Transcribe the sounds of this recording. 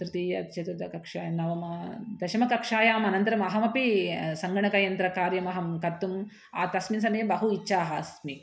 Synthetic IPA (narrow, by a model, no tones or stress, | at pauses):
t̪ɾɨt̪iːjɐt͡ʃɐt̪ɾut̪ɐkɐkʂaːjɐnɐʋɐmɐd̪ɐʃɐmɐkɐkʂaːjaːmɐnɐnt̪ɐɾɐmɐɦɐmɐpisɐŋɡɐɳɐkɐjɐnt̪ɾɐkaːɾjɐmɐɦɐmkɐt̪ːum | aːt̪ɐsmins̬ɐmɐjɐbɐɦuiːʃʰaːɦɐsmi